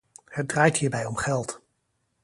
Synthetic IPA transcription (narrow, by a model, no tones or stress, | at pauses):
hədraːjtɦiːɹbɛjɔmχɛlˠt